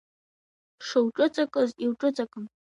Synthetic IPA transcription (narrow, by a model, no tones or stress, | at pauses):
ʂɨwʈ͡ʂʼɨt͡sʼakʼɨziwʈ͡ʂʼɨt͡sʼakʼɨm